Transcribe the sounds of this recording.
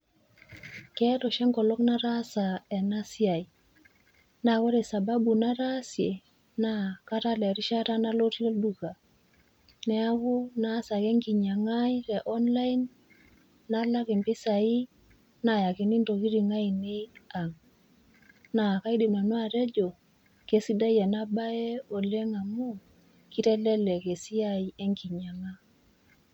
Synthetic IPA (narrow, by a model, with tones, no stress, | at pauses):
kɛ˦to˨ʃɛ˦ŋkɔ˨lɔ˦kna˦ɾa˦sa˨e˨na˦si˦a˨j | na˨kɔ˦ɾɛ˨sa˨ba˦bu˨na˦ɾa˦si˨e˨ | na˦ka˦ta˦le˨ɾi˦ʃa˦ta˦na˦lo˦to˦ldu˨ka˨ | nɛ˦a˦βu˦na˦sa˨ke˦ŋki˨ɲa˨ŋa˦jɾe˨ʔɔ˦nla˦i˦nː | a˦la˦ki˨mpi˦sa˨i˦ | na˨ja˨ki˨ni˦nto˨ki˦ɾi˨ŋa˦i˨ni˦a˨ŋ | na˨ka˦i˦di˨ma˨nwa˨te˦d͡ʒo˨ | ke˦si˦da˦je˨na˦ba˦e˦o˨le˦ŋa˨mu˦ | ki˦te˦lɛ˦le˨ke˨si˦a˦i˦e˦ŋki˨ɲa˨ŋa˦